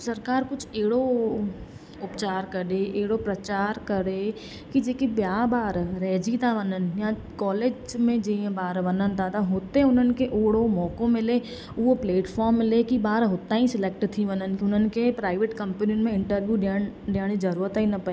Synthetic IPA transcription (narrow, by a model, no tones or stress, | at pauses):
sɐɾkaːɾkʊt͡ʃʰeːɽo | ʊpt͡ʃaːɾkəɾeʔeːɽopɾɐt͡ʃaːɾkəɾe | kid͡ʒeːkibjaːbaːɾɾɛːd͡ʒit̪abənənjã | kɔːleːd͡ʒmẽd͡ʒeẽbaːɾbənənt̪at̪aɦoːt̪eʊnənkeʔoːɽomɔːkõmẽleː | opleːʈfʰɔːɾmlekibaːɾɦoːt̪aĩsɪleːk̚ʈt̪ʰiʋənənkiʊnənkepɾaːɪʋeʈkɐ̃mpəniõnmẽɪ̃ɳʈəɾʋjuɖenɖeːɽ̃id͡ʒɐɾuːɾət̪inɐpɐe